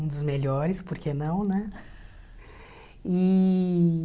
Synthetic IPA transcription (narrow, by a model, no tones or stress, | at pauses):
ũd̪ʊzmeʎɔɾɪspoɾkʰenɐ̃w̃nɛ | i